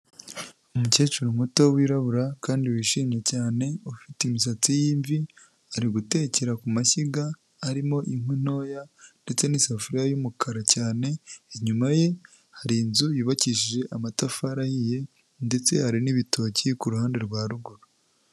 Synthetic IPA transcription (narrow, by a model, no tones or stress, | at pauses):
umuce̞ːt͡ʃuɾumuto̞wiːɾaβuɾakaːndiwiʃiːmje̞caːne̞ufiteimis̬at͡sijiːɱvi | aɾiɡute̞ceɾakumaçiɡaː | ɾimo̞ʔiŋwin̥o̞ːjande̞t͡se̞nisafuɾijajumukʰaɾacaːne̞ːɲumaje̞ | haɾiːnzujuːβaciʃiʒe̞ʔamatafaɾahije̞ | nde̞t͡se̞haɾiniβitʰo̞ːcikuɾuhaːnde̞ɾɡwaːɾuɡuɾo